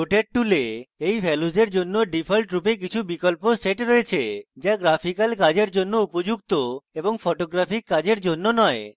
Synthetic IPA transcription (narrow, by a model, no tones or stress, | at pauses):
oʈeʈ̚ʈuleejbʱɛlud͡ʑeɾd͡ʑonːoɖipʰolʈɾupek̬it͡ɕʰubikolposeʈɾoet͡ɕʰed͡ʑaɡɾapʰikalkad͡ʑeɾd͡ʑonːoupod͡ʑuk̚t̪oeboŋfʰoʈoɡɾafʰikːad͡ʑeɾd͡ʑonːonɔe